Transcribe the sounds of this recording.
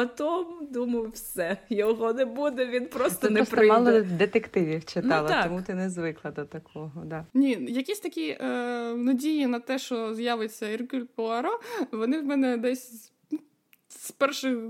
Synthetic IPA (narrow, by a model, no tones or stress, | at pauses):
pɐt̪ɔmd̪umɐjʊwsɛjɔɦɔnɛbud̪ɛʋʲinpɾɔst̪ɔnɛspɾɪmɑlˠɔd̪et̪ekt̪ɪʋʲiwt͡ʃɪt̪ɑlˠɐt̪ɔmut̪ɪnɛzʋɪklˠɐd̪ɔt̪ɐkʰɔɦɔd̪anʲijɐkʲisʲt̪ɐkʲi | nɐdʲijinɐt̪ɛʃt͡ʃɔzjaʋet͡sʲːɐirkʲylʲpɔlˠɐɾɔʋɔnɪwmɛnɛd̪ɛsʲ | spɛrʃɪx